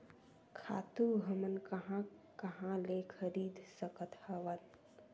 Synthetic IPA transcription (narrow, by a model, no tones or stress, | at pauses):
kʰa̰ːt̪uɦəmənkɐɦã | kɐɦãlekʰəɾiːd̪səkət̪hɐʋən